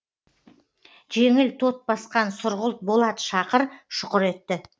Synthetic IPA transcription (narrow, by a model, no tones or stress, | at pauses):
ʒeŋɪlt̪ʰo̞t̪̚bɑsqɑnsʊɾʁəlˠt̪̚bo̞lˠɑd̪ə̥ʃɑqəɾʃʊqəɾe̞t̪ːɪ